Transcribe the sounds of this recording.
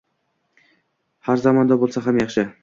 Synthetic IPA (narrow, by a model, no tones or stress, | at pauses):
haɾzɑmɒnd̪abolˠsaɦamjɑχʃɪ